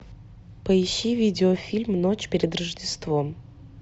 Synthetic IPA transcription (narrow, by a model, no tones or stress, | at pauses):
pəɪɕːivʲidʲɪofʲilʲmnot͡ɕpʲeɾʲɪd̪rəʐdʲɪst̪vom